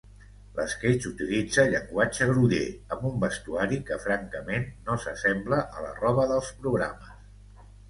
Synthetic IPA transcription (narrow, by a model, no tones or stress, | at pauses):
lə̰sket͡ʃut̪ilid͡zəʎəŋɡwad͡ʒəɣɾuʎḛəmbumbəst̪uaɾikəfɾaŋkəmenːosəsɛmbləʔələ̰rɔβ̞əðəlˠspɾuɣɾa̰məs